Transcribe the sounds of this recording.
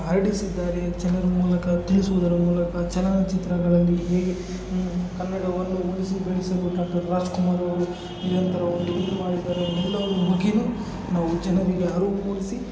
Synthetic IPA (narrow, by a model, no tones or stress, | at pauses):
ɦɐɾiɽisid̪ːaːɾet͡ʃɛnɐɾɐmuːlɐkɐt̪iɭisuʋud̪ɐɾɐmuːlɐkɐt͡ʃɛlɐnɐt͡ʃit̪ɾɐɡɐɭɐlːiɦeːɡe | kɐnːɐɽɐʋɐnd̪uulisibeɭisɐluɖaːk̚ʈɐɾːaːd͡ʒkumaːɾɐʋɐɾu | niɾɐnt̪ɐɾɐond̪uinːumaːɽid̪ːaːɾeɦɛlːɐʋɐɾuɦuɡinu | naːʋud͡ʒɛnɐɾiɡe̞ɦɐɾuːpuːlisi